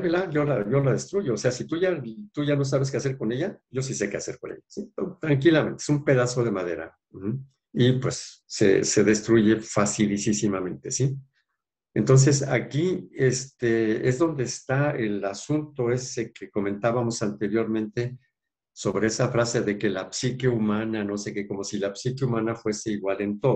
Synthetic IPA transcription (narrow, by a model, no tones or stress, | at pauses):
βelaɾʝo̞laʝo̞laðe̞st̪ɾuʝoːse̞asit̪uʝat̪uʝano̞s̬aβes̬ke̞aseɾko̞ne̞ʝaʝo̞s̬ise̞kease̞ɾko̞̰nejasiot̪ɾaŋkilamẽ̞nt̪eesumpe̞ðaso̞ð̞e̞maðe̞ɾa̰ | mhm̩ | ipwe̞̰sːe̞̰se̞ðe̞st̪ɾuʝe̞fasilisisimamẽ̞nt̪e̞si | ent̪o̞ns̬e̞sakiest̪ee̞zðo̞nd̪e̞ːst̪aelasunt̪o̞e̞sekeko̞mẽ̞nt̪aβamo̞sant̪e̞ɾjo̞ɾmẽ̞nt̪e̞ | so̞β̞ɾeesafɾase̞ðe̞ke̞lapsikeumãnano̞sekeko̞mo̞silapsikeumãnafwe̞se̞iɣwale̞nt̪o̞ð